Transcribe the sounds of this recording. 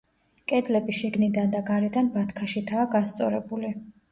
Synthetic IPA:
kʼɛd̪lɛbiʃiɡnid̪and̪aɡaɾɛd̪anbat̪ʰkʰaʃit̪ʰaːɡast̪sʼɔ̰ɾɛ̰buli

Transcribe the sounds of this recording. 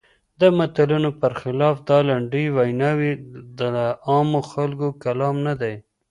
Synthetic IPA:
d̪əmat̪alunopəɾxɪlɑfd̪ɑlaɳɖəjwajnɑwid̪əɑmoxalkokalɑmnad̪aj

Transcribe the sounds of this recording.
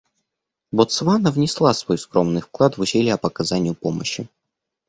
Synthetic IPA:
bot̪svanəvnʲɪslˠasvojskɾo̞mnɨjfklˠat̪vʊsʲelʲɪɐpəkɐzanʲɪjʊpo̞mə̰ɕːɪ

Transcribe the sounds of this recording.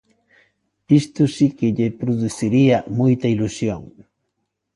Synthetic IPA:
ist̪usikɪʎepɾoðuθiɾiamujt̪ailusjoŋ

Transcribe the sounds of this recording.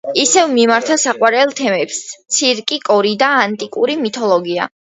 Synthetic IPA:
isɛvmimaɾt̪ʰasaqʼwaɾɛlˠt̪ʰɛmɛpst̪sʰiɾkʼikʼɔɾid̪aːnt̪ʼikʼṵɾimit̪ʰɔlˠɔɡia̰

